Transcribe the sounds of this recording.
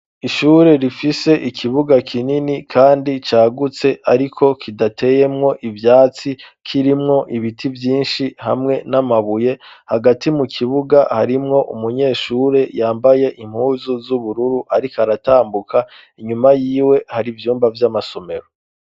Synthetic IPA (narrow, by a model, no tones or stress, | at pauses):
iʃuːɾe̞ɾifise̞ʔikʰiβuɡakʰininikʰaːndit͡ʃaːɡut͡se̞ʔaɾikʰo̞kʰidatʰe̞je̞mŋo̞ʔivjaːt͡si | kʰiɾimŋo̞ʔiβitʰivjiːnʃihamŋe̞namaβuje̞haɡatimukʰiβuɡahaɾimŋo̞ʔumuɲe̞ːʃuːɾe̞jaːmbaje̞ʔim̥huːzuzuβuɾuɾuʔaɾikaɾataːmbukʰa | iɲumajiːwe̞haɾivjuːmbavjamaso̞me̞ɾo